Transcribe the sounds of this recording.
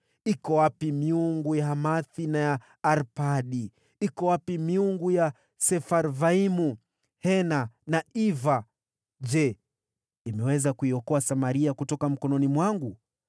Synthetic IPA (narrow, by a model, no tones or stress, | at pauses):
ikɔwapimiuŋɡujaɦamaθinajaː | ɾpaɗi | ikɔwapimiuŋɡuja | sɛfaɾvaimu | hɛnanaʔiva | ʄd͡ʒɛ | imɛwɛzakuiɔkɔasamaɾiakutɔkam̩kɔnɔnimwaŋɡu